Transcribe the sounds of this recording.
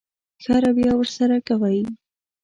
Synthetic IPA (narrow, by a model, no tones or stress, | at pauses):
xɑɾabjɑwəɾsaɾakawəj